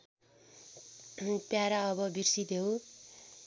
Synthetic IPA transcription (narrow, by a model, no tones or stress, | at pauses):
pjaɾaʌbʌbirsid̪ʱew